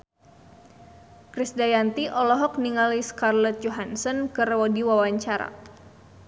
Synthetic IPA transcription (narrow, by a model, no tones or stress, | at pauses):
kɾisdajant̪iʔɔlɔɦɔk̚niŋaliskarlɔt̪̚jɔɦansɔnkɨrwɔdiwawaɲt͡ʃaɾa̰